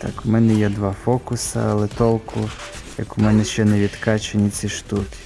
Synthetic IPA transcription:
t̪ɑ̰kʊmɛnɛjɛd̪ʋɑfɔkʊsɐ̰ɐlˠɛt̪ɔlˠkʰʊ | jɐ̰kʊmɛnɛʃt͡ʃɛnɛʋʲid̪kɑt͡ʃenʲit͡s̪ʲiʃt̪ukʲɪ̥

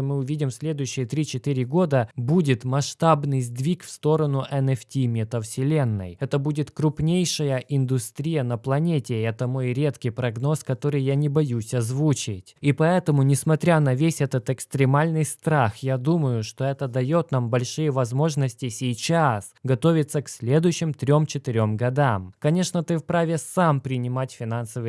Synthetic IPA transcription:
mɨʊvʲidʲɪmsʲlʲe̞d̪ʊjʉɕːɪjət̪ɾʲit͡ɕɪt̪ɨɾʲɪɡo̞d̪əbudʲɪt̪mɐʂt̪abnɨjzʲd̪vʲikfst̪o̞ɾənʊʔɛnɛftʲimʲɪt̪əfsʲɪlʲenːə̰jɛt̪əbudʲɪt̪kɾʊpnʲejʂəjəʔɪnd̪ʊsʲt̪ɾʲijənəplˠɐnʲetʲɪɛt̪əmo̞jɾʲe̞t̪kʲɪjpɾɐɡno̞skɐt̪o̞ɾɨjːanʲɪbɐjusʲɐzvut͡ɕɪtʲipɐɛt̪əmʊnʲɪsmɐt̪ɾʲanɐvʲesʲɛt̪ət̪ɨkst̪ɾʲɪmalʲnɨjst̪ɾaxjad̪uməjʊʂt̪o̞ɛt̪əd̪ɐjo̞t̪nambɐlʲʂɨjəvɐzmo̞ʐnəsʲtʲɪsʲɪjt͡ɕasɡɐt̪o̞vʲɪt̪səksʲlʲe̞d̪ʊjɕːɪmt̪ɾʲo̞mt͡ɕɪt̪ɪɾʲo̞mɡɐd̪amkɐnʲe̞ʂnət̪ɨfpɾavʲɪsampɾʲɪnʲɪmatʲfʲɪnansəvɨ

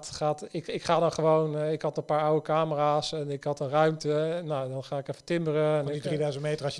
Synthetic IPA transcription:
tχaːtɪkɪkχaːdɔnχəʋownɪkɑtəpaːɹɔwəkaːməraːsɛnɪkɦɑtənrœɥmtənːawdɔnχaːɪkɛfə̥tɪmbərəɛnɪidridœzəntmejtərɑs

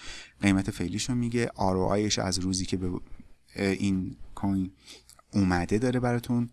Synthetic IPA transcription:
ɢ̥e̞jmæt̪ʰe̞fe̞liːʃomiːɟe̞ʔɒːɾoʔɒ̰ːjeʃæ̰zɾuːziːcʰe̞be | ʔiːnkʰoj | umæd̪e̞d̪ɒːɾebæɾɒːt̪ʰun

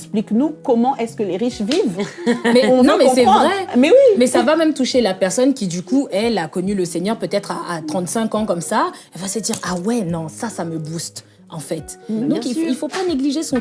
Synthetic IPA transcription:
ɛspliknukɔmɑ̃ʔɛskəleʁiʃvivmɛ̃nɔ̃mɛɔ̃sɛ̃vʁɛmɛwimɛsavamɛmt̪uʃelapɛʁsɔnkʲid̪ykuɛlakɔnyləseɲœʁpøt̪ɛt̪χaat̪χɑ̃t̪sɛ̃kɑ̃kɔmsaɛlvasəd̪iʁawɛnɔ̃sasaməbust̪ | ɑ̃fɛt̪d̪ɔ̃kilfopaneɡliʒesɔ̃

